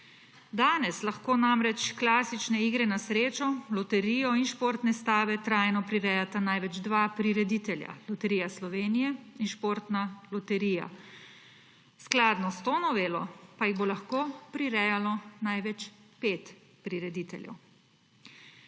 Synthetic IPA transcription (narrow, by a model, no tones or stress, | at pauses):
d̪aːnɛslaxkoːnamɾɛt͡ʃklaːsit͡ʃnɛiːɡɾɛnasɾeːt͡ʃɔlɔt̪ɛɾijɔinʃpoːɾt̪nɛst̪aːʋɛt̪ɾaːjnɔpɾiɾɛːjat̪anajʋɛd͡ʒd̪ʋapɾiɾɛd̪it̪ɛlja̰lɔt̪ɛɾijaslɔʋeːnijɛinʃpoːɾt̪nalɔt̪ɛɾija̰ | sklaːd̪nɔst̪oːnɔʋeːlɔ̰pajiɣbolaxkoːpɾiɾɛːjalɔnajʋɛt͡ʃpeːt̪ | pɾiɾɛd̪iːt̪ɛ̰ljɛ̰w